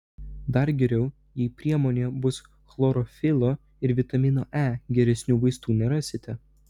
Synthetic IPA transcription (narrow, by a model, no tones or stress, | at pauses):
d̪ɐɾɡʲɛɾʲɛʊ | jiːpʲɾʲiɛmoːnʲeːbʊs | xlˠoːɾɔfʲɪlˠoː | ɪɾʋʲɪt̪ɐmʲɪno̰ːʔæːɡʲɛɾʲɛsʲnʲuːʋɐɪst̪uːnʲɛɾɑːsʲɪt̪ʲɛ